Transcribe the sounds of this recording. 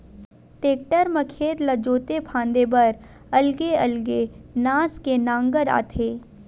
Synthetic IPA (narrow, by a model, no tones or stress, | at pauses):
ʈeːk̚ʈəɾməkʰeːt̪lɐd͡ʒoːt̪epʰãːnd̪ebəɾ | ɐlɡeɐlɡenaːskenãːŋɡəɾa̰ːt̪ʰeː